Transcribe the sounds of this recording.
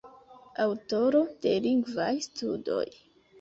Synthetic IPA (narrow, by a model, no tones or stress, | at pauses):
awto̞ɾo̞d̥e̞liŋɡvajstudo̞̰j